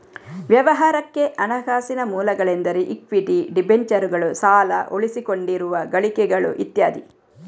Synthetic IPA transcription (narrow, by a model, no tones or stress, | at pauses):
ʋjɐʋɐɦaːɾɐkːe̞ʔɐnɐɡaːsinɐmuːlɐɡɐɭend̪ɐɾeʔikʋiʈiɖibeɲt͡ʃɐɾuɡɐɭusaːlɐʔoɭisiko̞ɳɖiɾuʋɐɡɐɭikɛɡɐɭṵʔḭt̪ja̰ːd̪ḭ